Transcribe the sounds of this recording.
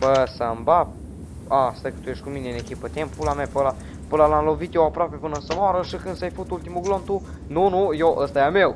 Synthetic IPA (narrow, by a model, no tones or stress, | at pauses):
pəsambap | ast̪əkə̥t̪ujeʃtkumineɨnekʲipət̪ʲemppulamepəla | pɨlalamlovit̪jewapɾoape̞pɨnənsəmoaɾəʃikɨnsajfut̪ult̪imuɡlomt̪u | nunujoʔəst̪ajamew